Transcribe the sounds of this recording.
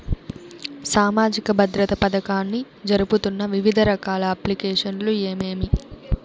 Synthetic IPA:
saːmaːd͡ʒikɐbʱɐd̪ɾɐt̪ɐpɐd̪ɐkaːnːi | d͡ʒɐɾuput̪unːɐʋiʋid̪ʱɐɾɐkaːlɐɐplikeːʂɐnlueːmeːmi

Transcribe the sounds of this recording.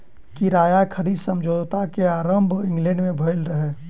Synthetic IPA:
kiɾaːjakʰəɾiːd̪sə̃md͡ʒoːd̪t̪akeaːɾəmbʱɪ̃ŋɡlɛ̃ɳɖmẽbʱoɪlɾəɦeː

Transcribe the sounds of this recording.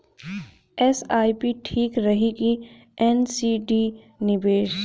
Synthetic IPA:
ɛsaːipiʈʰiːkɾɐɦiki | ɛnsiɖi | nɪbeːʃ

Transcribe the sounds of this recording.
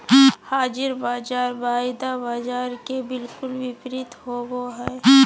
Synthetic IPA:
haːd͡ʒɪɾbaːd͡ʒaːɾbaːjd̪abaːd͡ʒaːɾkebɪlkʊlwɪpɾɪt̪ɦoɡoɦɛː

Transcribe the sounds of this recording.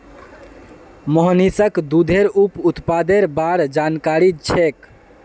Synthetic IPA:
mɔɦnisəkd̪ud̪ʱeɾuput̪pad̪eɾbaɽd͡ʒankaɾit͡ʃʰek

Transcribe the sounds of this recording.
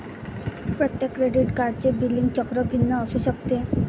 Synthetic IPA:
pɾot̪jekːɾeɖiʈkaɾt͡ɕebilːiŋt͡ɕɔkɾobʱinːɔɔsuʃɔk̚t̪e

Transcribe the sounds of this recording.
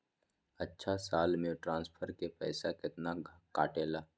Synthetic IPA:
ɐtːʃʰasaːlmẽʈɾãːnspʰəɾkepɛːsakɪt̪nakaːʈeːlaː

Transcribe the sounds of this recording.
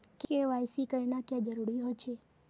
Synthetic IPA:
keeʋajsikəɾnakjãd͡ʒəɾuɾiɦojt͡ʃʰe

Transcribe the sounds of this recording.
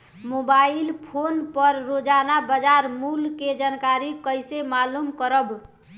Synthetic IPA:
mobailpʰonpəɾːod͡ʒanabəd͡ʒaɾmulked͡ʒankaɾikəɪsemalumkəɾəb

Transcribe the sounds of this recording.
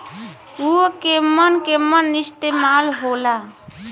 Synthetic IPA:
uəkemənkemənːɪst̪emaːlɦola

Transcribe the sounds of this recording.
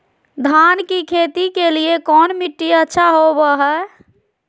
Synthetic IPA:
d̪ʱankikʰet̪ikeliekɔnmiʈːiətːʃʰaɦobəɦɛ

